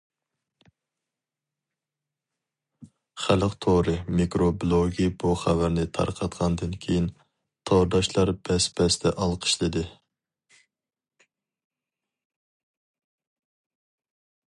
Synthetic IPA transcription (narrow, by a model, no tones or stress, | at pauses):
χæləqt̪ʰoɾɨmikɾoblˠoɡʲibuχævæɾnɪt̪ʰɑ̰ɾqʰɑt̪qɑnd̪ɨnkʲʰejin | t̪ʰɑɾd̪ɑʃlˠɑɾb̥ɛspʰɛst̪ʰɛʔɑlˠqʰə̥ʃlˠɨd̪ɨ